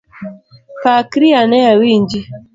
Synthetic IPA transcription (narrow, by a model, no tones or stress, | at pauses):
pakɾianɛawiɲd͡ʒi